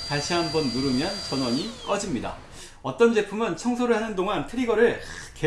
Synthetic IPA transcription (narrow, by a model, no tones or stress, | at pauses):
taɕ͈ʰiɦanbʌnːuɾɯmjʌnt͡ɕʌnwʌɲik͈ʌd͡ʑimɲida̰ | ʌt͈ʌnd͡ʑe̞pʰumɯnt͡ɕʰʌŋsʰoɾɯɭhanɯndoŋantʰɯɾiɡʌɾɯɭke